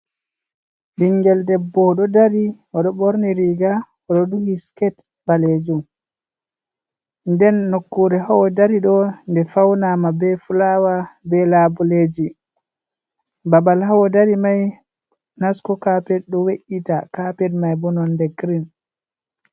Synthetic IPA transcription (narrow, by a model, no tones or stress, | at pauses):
biŋɡɛldɛbːɔɗɔdaɾi | ɔɗɔboɾniɾiɡa | ɔɗɔduhiskɛt | baled͡ʒum | ndɛnːokːuɾɛhawɔdaɾiɗɔndɛfawnamabɛfulawabɛlabuled͡ʒi | babalhawɔdaɾimaj | naskɔkapɛɗɔweʔitakapɛdmajbɔnɔndɛɡɾin